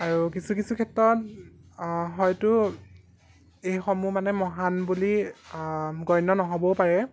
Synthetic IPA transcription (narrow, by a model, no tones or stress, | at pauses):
aɹukisukisukʰɛtɹɔt̚ | ɦɔjtʊ | ejxɔmumanɛmɔɦanbuli | ɡɔjnɔnɔɦobɔpaɹɛ